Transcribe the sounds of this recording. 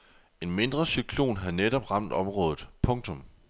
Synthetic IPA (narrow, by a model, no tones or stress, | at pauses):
e̝nme̝nd̥ʁɐsykʰlo̝̰ːnɦæðˠneɾ̥ɒ̽b̥ʁɑ̈m̰d̥ɒ̽mʁɔ̽ːð̞ˠð̩ˠpʰɔ̽ŋt͡sʰɔ̽m